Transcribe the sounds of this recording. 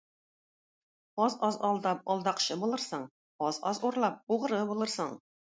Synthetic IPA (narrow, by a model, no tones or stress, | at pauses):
ɒzɒzɒlˠd̪ɑp̚ɒlˠd̪ɑqɕɤbulˠɤɾsɤɴ | ɒzɒzuɾlˠɑp̚uʁɤ̆ɾɤbulˠɤɾsɤɴ